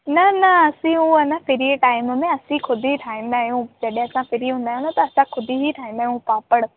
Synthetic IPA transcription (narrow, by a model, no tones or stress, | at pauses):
nɐnɐɐsĩũɐnapʰɪɾieʈaːɪmmẽɐsĩkʰʊd̪iiʈʰaːɪmaːjũd͡ʒəɗẽɐsãpʰɪɾiɦũnd̪aːjɦnot̪oɐsãkʰʊd̪iɦiʈʰaːĩmd̪aːjũpaːpəɽ